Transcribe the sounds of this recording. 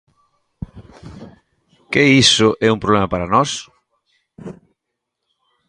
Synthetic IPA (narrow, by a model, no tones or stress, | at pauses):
keisʊʔɛumpɾoβlemapaɾanɔs